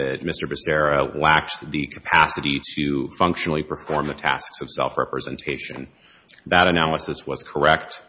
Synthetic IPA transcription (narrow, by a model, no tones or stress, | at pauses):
ɨt̚mɪstə˞bɨsɛɹɨlæk̚t̚ðɨkʰɨ̥pʰæsɨɾiɾɨfʌ̃ŋkʃnl̩ˠipʰə˞fɔɹmðɨtʰæ̰sksʌv̥sɛ̰lˠfɹɛ̰pɹɨzɛ̃ntʰeɪʃɨ̰̃n | ðəɾɨnælˠəsɨswʌz̥kʰə˞ɛk̚t̚